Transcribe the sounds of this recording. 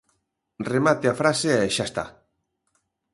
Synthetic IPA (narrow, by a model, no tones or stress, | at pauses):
remat̪eafɾaseɛʃast̪a̰